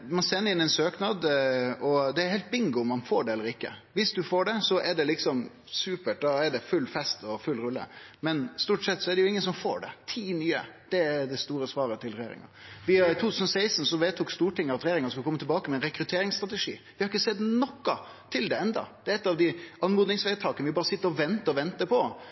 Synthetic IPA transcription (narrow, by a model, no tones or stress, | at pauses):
mɑnsɛnːəɾɪnɛɪnsøːknɑd̪ɔd̪ɛæɾhɛɪt̪̚bɪŋɡʊʊmːɑnfoːɖɛɛlːəɾɪkːə̰ʋɪsd̪ʉfoːɖɛsɔʔɛɖɛlɪksɔm | sʉːpəʈ̚d̪ɑɛɖɛfʉlːfɛst̪ɔfʉlːɾʉlːə̰mɛnst̪uːʈsɛt̪ːsɔɛɖɛjʊɪŋːənsɔmfo̰ːɖɛ̰t̪ʰiːnyːə̰d̪̥ɛæd̪ɛst̪uːɾəsʋɑːɾət̪ʰɪlɾɛjḛːɾɪ̰ŋə̰ɾʋɪt̪ʰuːt̪ʰʉːsən̩ɔsæɪsn̩sɔʋeːt̪ʰuːkst̪uːʈɪŋːəɾɑt̪ɾɛjːɾɪŋəsɔkʉlkɔmːət̪ʰlbɑːkəmɛnɾɛkɾʉt̪ʰeːɾɪŋst̪ɾɑt̪ɛʂḭːʋɪhɑɾɪçːəsɛd̪nɔkːɑ | t̪ʰɪld̪ɛɛnd̪ɑ̰d̪ɛːɛt̪ːɑʋd̪ɪɑnmuːd̪nɪŋsʋɛːt̪ʰɑːkənəʋɪbɑːɾəsɪt̪ːəɾɔʋɛnt̪əɔʋɛnt̪əpʰɔ